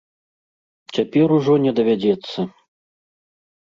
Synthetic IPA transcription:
t͡sʲapʲɛɾuʐɔnʲɛd̪ɐvʲad͡zʲɛt̪sːɐ

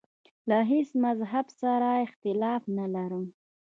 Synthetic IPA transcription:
laɦesmazɦabsaɾaɪxt̪ɪlɑfnalaɾəm

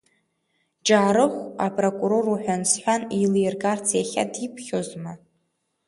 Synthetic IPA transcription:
d͡ʒaːɾɨχʷapʼro̞kʼuɾo̞ruħʷᶣansħʷanilijrɡart͡sʰjaχʲa̰dipʰχʲozma

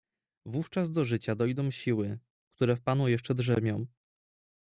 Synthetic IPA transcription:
vuft͡ʂazd̪ɔʐɘt͡ɕad̪ɔjd̪ɔ̃w̃ɕiwɘ | kt̪uɾɛfpanujɛʂt͡ʂɛd̪ʐɛmʲjɔ̃w̃

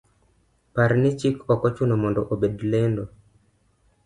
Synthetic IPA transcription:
paɾnɪt͡ʃikɔkɔt͡ʃunomɔndɔʔobedlendo

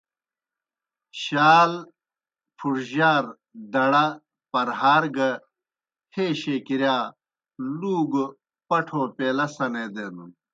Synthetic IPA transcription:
ɕaːl | pʰuʈʑaːɾ | d̪ɐɽɐ | pɐɾɦaːɾɡɐ | heːɕeːkiɾjaː | luːɡ | pɐʈʰoːpeːlɐsɐneːd̪ed̪un

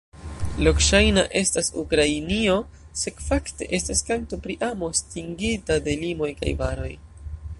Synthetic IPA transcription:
lo̞kʃajna̰ʔe̞stasṵkɾainio̞ | se̞kfakte̞̰ʔe̞staskaŋk̚topɾiʔamo̞stiŋɡitade̞limo̞jka̰jvaɾo̞̰j

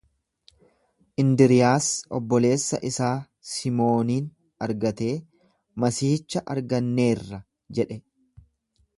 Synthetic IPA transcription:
ʔɪnd̪ɪɾɪjaːsɔ̰bːɔle̞ːsːɐ̰ʔɪsaː | sɪmo̞ːniːn | ɐɾɡɐt̪e̞ː | mɐsiːt͡ʃːɐʔɐɾɡɐnːe̞ːrːɐ | d͡ʒɛᶑɛ

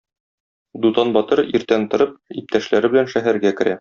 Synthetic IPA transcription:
d̪ut̪ɑnbɒt̪ɤɾiɾt̪ænt̪ɤ̆ɾɤp̚ip̚t̪æʃlæɾɘbɘ̆lænʃæɦæɾɡækɘ̆ɾæ

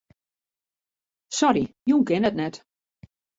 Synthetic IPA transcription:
sɔɾijuŋkɪnɛtnɛt

